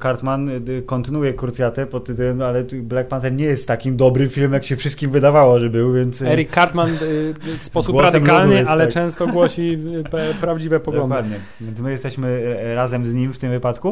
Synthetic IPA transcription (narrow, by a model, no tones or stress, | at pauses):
kaɾt̪mankɔnt̪ɘnujɛkuɾt̪sjat̪ɛpɔt̪ɛmalɛblak̚pant̪ɛɾɲɛjɛst̪ːakʲimd̪ɔbɾɘmfʲilmɛmjakɕɛfʂɨst̪̚kʲimvɘd̪avawɔʐɛbɘwvʲjɛnt̪sɛɾikːaɾt̪manfspɔsuɡwɔɾad̪ɨmkalnɨalɛt͡ʂɛ̃w̃st̪ɔɡwɔɕipɛpɾavd͡ʑivɛpɔɡd̪ɔwad̪ɲɛ | vʲjɛnt̪mɘjɛst̪ɛɕmɘɾazɛmzɲimft̪ɘmvɘpat̪ku